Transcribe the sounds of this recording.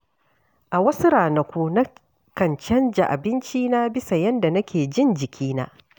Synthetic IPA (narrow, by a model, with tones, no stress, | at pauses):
ʔa˨wɐ˦su˦ɾaː˨nɐ˨kʷu˦nɐ˦ | kɐ˨nt͡ʃɐ˦nd͡ʒa̰˨ʔa˨bɪ˦nt͡ʃiː˦naː˦bɪ˦sa˨jɐ˦nda˨nɐ˦kʲʰeː˨d͡ʒɪ˦nd͡ʒɪ˨kʲʰiː˦na̰ː˦